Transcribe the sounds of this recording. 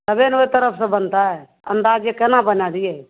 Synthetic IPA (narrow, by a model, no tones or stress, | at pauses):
t̪əbeːnoet̪əɾəpʰsẽbənt̪aːɦɛː | ə̰nd̪aːd͡ʒekənãbənãːd̪iːɛː